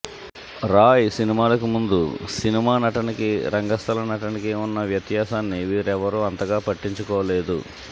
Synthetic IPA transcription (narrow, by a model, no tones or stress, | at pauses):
ɾaːjsinimaːlɐkumund̪usinimaːnɐʈɐnikiɾɐŋɡɐst̪ʰɐlɐnɐʈɐnikeːunːɐʋjɐt̪jaːsaːnːiʋiːɾɛʋɐɾuɐnt̪ɐɡaːpɐʈːiɲt͡ʃukɔːʋɐleːd̪ṵ